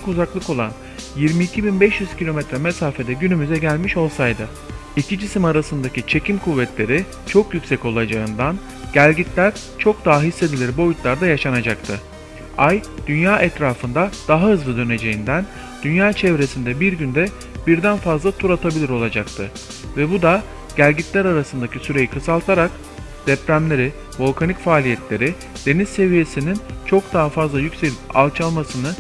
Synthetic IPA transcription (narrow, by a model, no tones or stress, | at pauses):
kuzaklˠɯko̞lˠa̰n | jiɾmiːcʰibinbɛʃjyz̥cʰilʲo̞mɛt̪ɾɛmesaːfe̞d̪ɛɟynymyzɛɟælʲmiʃo̞lˠsajd̪ɯ | icʰid͡ʒisimaɾasɯnd̪acit͡ʃʰe̞cʰimkʰuvːɛt̪ʰlʲe̞ɾi | t͡ʃʰo̞kjycʲsɛco̞lˠad͡ʒaɯnd̪an | ɟ̥ælʲɟit̪lʲæɾ | t͡ʃʰo̞k̚d̪aɦaɦisːe̞d̪ilʲiɾbo̞jut̪lˠaɾd̪ajaʃanad͡ʒakt̪ʰɯ | ajd̪̥ynjaːʔɛt̪ɾaːfɯnd̪ad̪̥aɦaɦɯzlˠɯd̪ø̞ne̞d͡ʒe̞jind̪æn | d̪̥ynjaːt͡ʃʰɛvɾe̞sind̪ɛbiɾɟynd̪ɛ | biɾd̪ænfazlˠat̪ʰuɾat̪ʰabilʲiɾo̞lˠad͡ʒak̚t̪ʰɯ | vɛbud̪a | ɟ̥ælʲɟit̪lʲæɾaɾasɯnd̪acisyɾe̞jikʰɯsalˠt̪ʰaɾak | d̪̥ɛpɾæmlʲe̞ɾi | vo̞lʲˠkʰanicfaːlʲijɛt̪lʲe̞ɾi | d̪̥e̞nizse̞vije̞sinint͡ʃʰo̞kd̪aɦafazlˠajycse̞lʲipa̰lˠt͡ʃʰalˠmasɯnɯ